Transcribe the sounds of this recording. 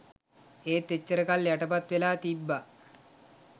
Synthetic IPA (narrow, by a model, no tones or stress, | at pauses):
eːt̪ːet͡ɕːəɾəkaljaʈɐpat̪ʋelaːt̪ibːa